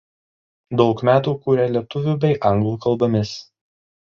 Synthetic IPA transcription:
d̪ɒʊkmʲæːt̪uːkuːɾʲɛlʲiɛt̪ʊʋʲuːbʲɛɪʔɐŋɡlˠuːkɐlˠbɐmʲɪs

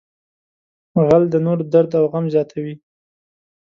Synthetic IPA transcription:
ɣald̪ənoɾd̪aɾd̪awɣamzjɑt̪ʰawi

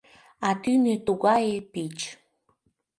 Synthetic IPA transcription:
at̪inet̪uɡaepit͡ʃ

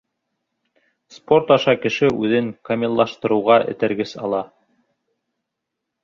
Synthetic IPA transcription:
spo̞ɾt̪ɑʃɑkɘ̆ʃɘʔʉðɘŋkɐmʲilˠːɑʃt̪ɤ̆ɾɤ̆wʁɑʔɘ̰̆t̪æɾɡɘsɑlˠɑ

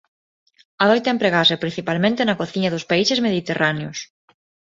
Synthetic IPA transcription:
ɐðojt̪aempɾeɣaɾsɪpɾĩn̟θipalmẽnt̪enɐkoθiɲɐðʊspaisɪzmeðit̪erʔaneʊs

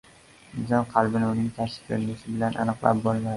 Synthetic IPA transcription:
nɪzɒnqʰɑlˠbɪnɪʊnɪŋt̪ʰaʃɪ̥klɪɾnɪʃɪbɪlanʔa̰nɨqlˠa̰p̚bɒlˠmad̪ɪ

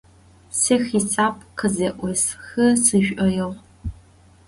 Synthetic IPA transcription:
sɐxit͡sʼaːpʰʼqəzɐʔʷɔsxɐsɨʒᶣʷʔɐjɐʁ

